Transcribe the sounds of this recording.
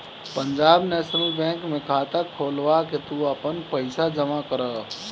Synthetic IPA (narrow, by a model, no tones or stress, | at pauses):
pəɲd͡ʒaːbnɛːsəɾibɛ̃ːŋkmẽkʰaːt̪akʰoːlʋaket̪uəpənpəɪsad͡ʒəmakəɾə